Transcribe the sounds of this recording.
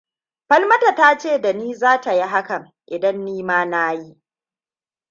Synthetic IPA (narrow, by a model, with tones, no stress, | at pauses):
ɸɐ˦lmɐ˦ta˨taː˦t͡ʃeː˦˨da˨niː˦zaː˦ta˨ji˦ɦa˦kɐ˨m | ʔɪ˨dɐ˦nːiː˦maː˦naː˦ji˦ʔ